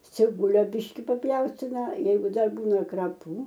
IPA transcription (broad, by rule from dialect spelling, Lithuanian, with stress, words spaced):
t͡sʲɪˈbʊlʲoː ˈbʲɪʃʲkʲɪ pɐpʲˈjɛʊsʲtʲɪnɐ ˈjɛɪɡʊ ˈdɐr ˈbuːnɐ krɐˈpuː